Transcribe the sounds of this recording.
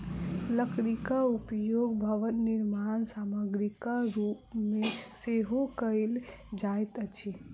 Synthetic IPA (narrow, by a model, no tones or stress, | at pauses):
ləkɾikaupjoɡbʱəʋənːiɾmansaməɡɾikaɾupmeseɦokəɪl | d͡ʒajt̪ət͡ʃʰi